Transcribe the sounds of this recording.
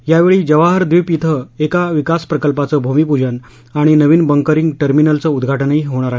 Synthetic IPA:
jaʋeɭiːd͡ʑəʋaɦəɾd̪ʋipit̪ʰəekaʋikaspɾəkəlpat͡səːbʱomipud͡ʑən | aɽ̃inəʋiːnbəŋkəɾiŋɡʈəɾminəlt͡səud̪ɡʱaʈənəiːɦoɽ̃aɾaɦ

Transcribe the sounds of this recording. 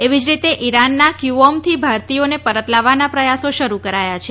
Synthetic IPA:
eʋid͡ʒɾit̪eʔiɾanːakjuɔmt̪ʰibʱaɾt̪ijonepəɾət̪laʋːanapɾəjasoʃəɾukəɾajat͡ʃʰe

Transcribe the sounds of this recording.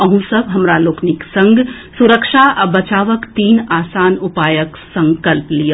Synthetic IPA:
əɦũsəbɦɐmɾaloːkʰniksɐ̃ŋɡsuɾəkʃaʔɐbɐt͡ʃaːʋəkt̪iːnaːsaːnʊpaːjəksɐ̃ŋkəlplijə

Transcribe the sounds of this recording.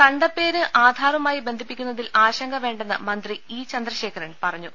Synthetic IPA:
kɐɳɖɐpːe̞ːɾɨʔaːd̪ʱaːɾɐmaːjibend̪ʱipːikʲːunːɐðilaːɕɐŋɡɐʋe̞ːɳɖenːɨ̰mɐnd̪riiːt͡ɕɐnd̪rɐɕe̞ːkʰɐɾeɳɖpɐrɐɲːu

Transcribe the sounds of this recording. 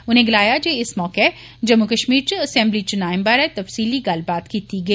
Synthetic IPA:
ʊnɦẽɡɪlaːjad͡ʒeɪsmɔːke | d͡ʒɐmːukɐʃmiːɾt͡ʃiɐsɛ̃mblit͡ʃʊnaːɪmbaɾɛt̪ɐfsiːliɡaːlbaːt̪kit̪ʰiɡe

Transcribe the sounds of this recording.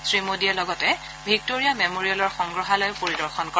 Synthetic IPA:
sɹimodialɔɡɔtɛ | bʱik̚toɹijamemoɹiɔlɔɹxɔŋɡɹɔɦalɔjpoɹidɔɹxɔnkɔ

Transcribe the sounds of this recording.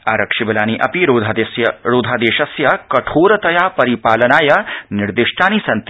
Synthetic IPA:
aːɾɐkʂibɐlaːniʔɐ̰piɾoːd̪ʱad̪sjɐɾoːd̪ʱaːd̪eːʃɐsjɐkɐʈʰoːɾɐt̪ɐjaːpɐɾipaːlɐnaːjɐnɪɾd̪ɪʃʈʰaːnisɐnt̪

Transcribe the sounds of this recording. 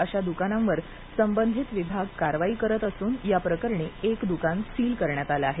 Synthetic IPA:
əɕad̪ukanãmʋəɾ | səmbənd̪ʱit̪ʋibʱaɡ̚kaɾʋaiːkəɾət̪əsuːnjapɾəkəɾɳeekd̪ukansiːlkəɾɳjat̪alaaɦe

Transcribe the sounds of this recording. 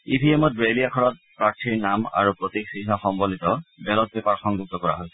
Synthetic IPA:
ibʱiɛmɔt̚ɹeliakʰɔɹɔt̚pɹaɹtʰiɹnama̰ɹupɹotiksiɦaxɔmbolitɔbɛlɔt̚bɛpaɹxɔŋɡuk̚tɔkɔɹa̰ɦojs

